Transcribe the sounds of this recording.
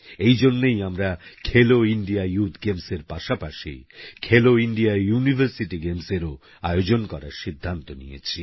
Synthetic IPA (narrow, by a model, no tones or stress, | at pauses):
ejd͡ʑonːejamɾakʰeloiɳɖiajut̪ʰɡemseɾpaʃapaʃḭkʰeloinɖiajunibʱəɾsiʈiɡemseɾo | ajod͡ʑonkɔɾaɾʃid̪ʱːant̪onḭjḛt͡ɕʰi